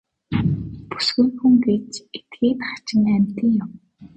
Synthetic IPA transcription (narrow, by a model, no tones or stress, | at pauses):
pu̥sɡɘ̆ŋxuŋɡeːt͡ɕet̪̚ɡeːt̪χḁt͡ɕɪ̆næmʲt̪ɘ̆ŋjʊm